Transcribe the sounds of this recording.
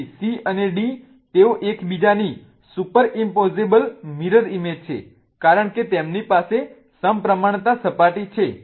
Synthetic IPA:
siəneɖi | t̪eoʔekbid͡ʒani | supəɾimpɔzebəlmiɾəɾimed͡ʒt͡ʃʰḛ | kaɾəɳket̪emnipase | səmpɾəmaɳ̃t̪asəpaʈit͡ʃʰe

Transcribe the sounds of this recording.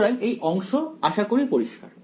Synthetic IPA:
ɾajʔejʔɔŋʃoaʃakoɾipoɾiʃka̰ɾ

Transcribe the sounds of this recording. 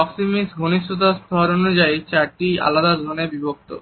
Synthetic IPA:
ɔksimisɡʱuniʃʈʰot̪̬ast̪ʰɔɾonud͡ʑait͡ɕaɾʈia̰lad̪ad̪ʱonebibok̚t̪o̰

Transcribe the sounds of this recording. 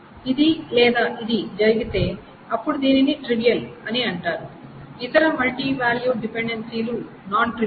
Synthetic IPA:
id̪ilɛːd̪aːʔid̪id͡ʒɐɾiɡit̪e̞ː | ɐpːuɽud̪iːniniʈɾiʋijɐlɐniɐɳʈaːɾu | it̪ɐɾɐmɐlʈiːʋaːljuːɖipeɳɖensiːlu | naːnʈɾi

